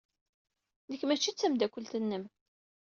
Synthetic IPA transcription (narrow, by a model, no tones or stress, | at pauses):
nəkːmæt͡ʃːit͡sːæmd̪ækʷːəlt̪ənːəm